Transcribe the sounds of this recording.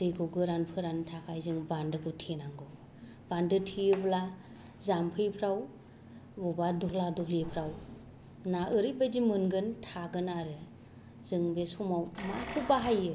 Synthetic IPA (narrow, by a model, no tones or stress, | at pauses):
d̥ɯjɡʰɔɡɯɾanpʰɯɾantʰakʰajzɯŋbandɯɡɯtʰenaŋɡɯ | b̥andɯtʰiɯbla | zampʰɯjpʰɾaw | bɔbadɔkladɔhlipʰɾaw | naʔɯɾibajdimɯnɡɯntʰaɡɯnaɾɯ | zɯŋbesɔmawma̰kʰɯbaɦajɯ